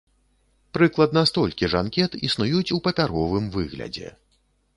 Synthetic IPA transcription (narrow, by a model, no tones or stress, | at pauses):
pɾɨklˠɐd̪nɐst̪ɔlʲkʲiʐankʲɛt̪isnujut͡sʲupɐpʲaɾɔvɨmvɨ̰ɣlʲɐ̰d͡zʲɛ̰